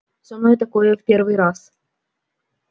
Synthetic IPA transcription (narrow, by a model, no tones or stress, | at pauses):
sɐmnɔjt̪ɐkojɛfpʲervɨjɾas